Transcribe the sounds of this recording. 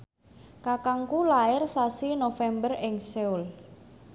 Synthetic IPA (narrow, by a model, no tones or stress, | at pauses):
kakaŋkulaɪrsasinofɛmbərɪŋsɛul